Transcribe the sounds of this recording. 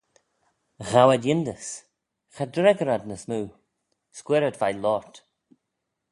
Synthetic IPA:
ɣawədjɪnd̪əs | xad̪ɾɛɡəɾadnəsnuː | skwɛɾədvajlɔɹt̪

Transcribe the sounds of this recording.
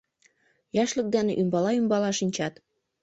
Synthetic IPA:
jɑʃlɤ̆k̚d̪æneʔymbɑlɑymbɑlɑʃinʲt͡ɕɑt̪

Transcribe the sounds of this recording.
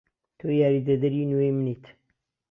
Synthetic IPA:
t̪ojaɾid̪əd̪əɾinwemnit̪

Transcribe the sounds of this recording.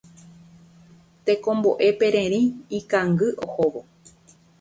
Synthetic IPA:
t̪e̞kõ̞mbo̞ʔe̞pe̞ɾẽ̞ɾĩːkãŋɡɨʔohoʋo̞

